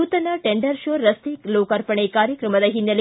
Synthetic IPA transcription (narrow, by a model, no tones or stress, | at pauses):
uːt̪ɐnɐʈeɳɖɐɾʃoːɐst̪ikloːkɐɾpɐɳekaːɾjɐkɾɐmɐd̪ɐɦinjɐl